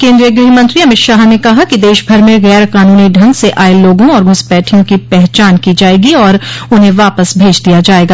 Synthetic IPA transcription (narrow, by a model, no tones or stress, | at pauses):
kẽːnd̪ɾijəɡɾɪɦimɐ̃nt̪ɾiɐmɪt̪ʃaːɦnekɐɦakid̪eːʃbʱɐɾmẽɣɛːɾqaːnuːniɖʱɐ̃ŋɡseʔaːeloːɡõɔːɾmʊspɛːʈʰijõkipɛɦt͡ʃaːnkid͡ʒaːeːɡiɔːɾʊnɦẽʋaːpəsbʱeːd͡ʒd̪ijad͡ʒaːeːɡaː